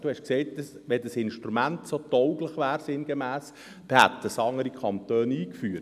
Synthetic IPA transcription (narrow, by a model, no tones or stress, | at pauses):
d̥uhɛʃkseɪt̚dɑsʋɛdəsɪnʃtɾumæntsotɔʊɡləχʋæːɾsɪnɡemæːs | b̥ehæt̪ːəsɑŋəɾikʰɑnt̪øːniːkfyːət